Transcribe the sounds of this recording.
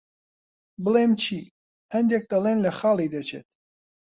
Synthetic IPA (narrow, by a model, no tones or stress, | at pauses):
bəlemt͡ʃʰiː | hɐnd̪ek̚d̪ɐlˠeːnlɐxɑːlˠid̪ɐt͡ʃʰeːt̪̚